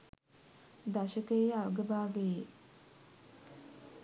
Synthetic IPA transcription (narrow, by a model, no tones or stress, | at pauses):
d̪aʃəkəiaʋəɡəbaːɡeje